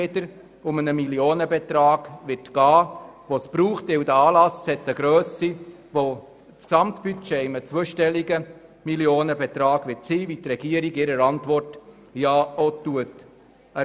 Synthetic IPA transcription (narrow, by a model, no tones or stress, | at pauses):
edəɾ | ʊmənəmiljoːnəbɛtɾɑːɡ̥vɪtɡ̥ɑːʋospɾuːχtɪwdəɑːlɑshɛtːəɡ̥ɾœːsi | ʋo | t͡sksɑmtb̥yt͡ʃeɪmət͡sʋuəʃtɛlːiɡə | miljoːnəbɛt̪ɾɑːɡʋɪtsiːvit̪rɛɡ̥iəɾiɡɪɾəɾɑntʋɔrt | jɑːotuət | ə